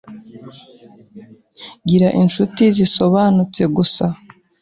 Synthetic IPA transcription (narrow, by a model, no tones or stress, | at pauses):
ɡiɾaʔinʃutiziso̞βaːnut͡se̞ɡusa